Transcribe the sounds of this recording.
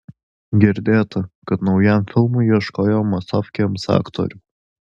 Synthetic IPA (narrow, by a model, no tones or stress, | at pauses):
ɡʲɪɾʲd̪ʲeːt̪ɐkɐt̪nɐʊjɛmfʲɪlˠmʊiʃkoːjoːmɐsɑfʲkʲɛmsɑ̰ːkt̪o̰ːɾʲʊ